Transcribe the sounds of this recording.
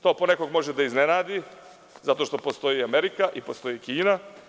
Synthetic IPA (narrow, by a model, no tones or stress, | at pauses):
t̪o̞ːponekoɡmo̞ʒed̪aiznenaːd̪i | zat̪o̞ʃt̪o̞po̞st̪o̞jiameɾikaʔipo̞st̪o̞jikiːna